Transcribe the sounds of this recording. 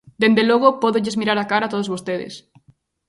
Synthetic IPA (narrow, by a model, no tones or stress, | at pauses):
d̪end̪eloɣopoðoʎezmiɾaɾakaɾat̪oð̞ozβost̪eðḛs